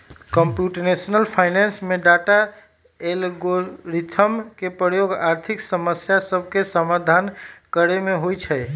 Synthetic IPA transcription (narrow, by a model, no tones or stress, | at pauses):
kəmpjuʈnesnəlpʰaɪnensmeɖaʈa | elɡoɾit̪ʰəmkepɾəjoɡaɾt̪ʰiksəməsjasəbʱkesəmad̪ʱankəɾemeɦojt͡ʃʰɛ